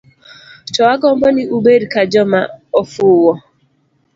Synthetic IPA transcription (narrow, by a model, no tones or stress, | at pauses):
t͡ʃɔwaɡɔmbɔnɪubeɾkad͡ʒɔmaɔfʊːwɔ